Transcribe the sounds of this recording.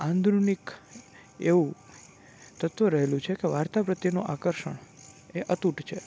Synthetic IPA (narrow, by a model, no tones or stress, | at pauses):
ãnd̪ɾunik | eʋũ | t̪ət̪ʋəɾəɦelũt͡ʃʰekeʋaɾt̪apɾət̪jenuʔakəɾʃə̰ɳ | eʔət̪uʈt͡ʃʰe